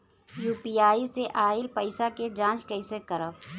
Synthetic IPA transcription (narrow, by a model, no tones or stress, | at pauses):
juːpiaːiseʔaːɪlpəɪsaked͡ʒãːt͡ʃkəɪsekəɾə